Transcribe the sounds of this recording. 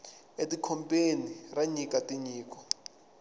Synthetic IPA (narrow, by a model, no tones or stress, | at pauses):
etʼikʰɔmpʼeniraɲikʼatʼiɲiːkʼɔ̥